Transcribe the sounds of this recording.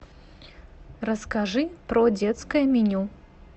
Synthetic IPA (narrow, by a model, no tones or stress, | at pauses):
rəskɐʐɨpɾodʲet̪skəjəmʲɪnʲu